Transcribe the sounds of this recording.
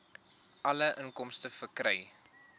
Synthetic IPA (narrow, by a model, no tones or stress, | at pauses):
ʔɐləʔəŋkɔmstəfərkrɛj